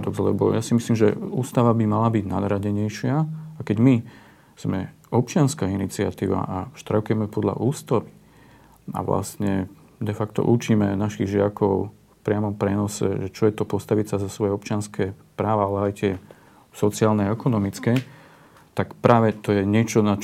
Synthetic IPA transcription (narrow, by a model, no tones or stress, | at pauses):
d̪ɔɡzlɛ̰bɔ̰jasimisliːmʒɛ̰uːst̪aʋabimalabiɟna̰d̪ɾaɟɛɲɛjʃɪaakɛɟmi | z̥mɛ | ɔp̚t͡ʃɪanskaːinit͡sia̰t̪ḭːʋa̰ʔaʃt̪ɾakuʊjɛmɛpɔd̪ʎa̰ʔuːst̪aʋi | a̰ʋla̰st̪ɲɛ | d̪ɛfakt̪ɔ̰ʔut͡ʃiːmɛnaʃiɣʒɪakɔʊ | fpɾɪamɔmpɾɛnɔsɛ̰ʒɛt͡ʃɔjɛt̪ɔpɔst̪aʋisazasʋɔjɛɔp̚t͡ʃɪanskɛpɾaːʋaalɛajt̪ɪɛ | sɔt͡sɪaːlnɛaɛkɔnɔmit͡skɛ | t̪akpɾʔaːʋɛt̪ɔjɛɲɪɛt͡ʃɔna